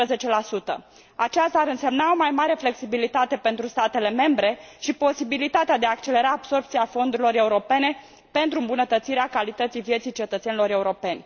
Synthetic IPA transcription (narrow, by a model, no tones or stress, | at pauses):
əze̞t͡ʃe̞lasut̪ə̰ | at͡ʃast̪aːɾɨnse̞mnao̞majmaɾe̞fle̞ksibilit̪at̪e̞pe̞nt̪ɾust̪at̪e̞le̞me̞mbɾe̞ʃipo̞sibilit̪at̪ead̪eaːk̚t͡ʃe̞le̞ɾaːb̥so̞rp̚t̪siafo̞nd̪uɾilo̞ɾe̞uɾo̞pe̞ne̞ | pe̞nt̪ɾuɨmbunət̪ət̪siɾeakalit̪ət̪sijvjet̪sijt͡ʃe̞t̪ət̪senilo̞ɾe̞uɾo̞pe̞nʲ